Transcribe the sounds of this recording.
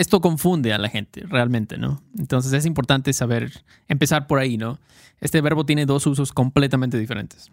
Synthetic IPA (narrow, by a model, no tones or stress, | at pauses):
est̪o̞k̬o̞ɱfund̪ealaxe̞̰nt̪erealmẽnt̪e̞̰no̞̰ent̪o̞ns̬e̞s̬es̬impo̞ɾt̪ant̪e̞saβe̞ɾ | empe̞saɾpo̞ɾaino̞ | e̞st̪e̞βe̞ɾβot̪je̞ne̞ðo̞sus̬o̞sko̞mple̞t̪amẽnt̪e̞ðife̞ɾe̞̰nt̪e̥s